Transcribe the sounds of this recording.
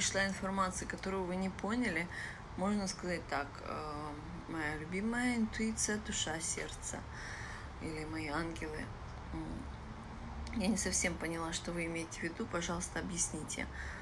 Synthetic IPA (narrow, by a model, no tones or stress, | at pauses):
ɪʂlˠaɪnfɐrmat̪sɨɪkɐt̪o̞ɾʊjʊvɨnʲɪponʲɪlʲɪ | mo̞ʐnəskɐzat̚ʲt̪ak | ə | mɐjalʲʉbʲiməjəɪnt̪ʊit̪sɨjəd̪ʊʂasʲḛrt̪sə̰ | ilʲɪmɐjianɡʲɪlˠɨ̰ | janʲɪsɐfsʲe̞mpənʲɪlˠaʂt̪ovɨɪmʲejɪtʲɪvʲɪd̪upɐʐɑlˠəst̪əɐbjɪsʲnʲitʲɪ̰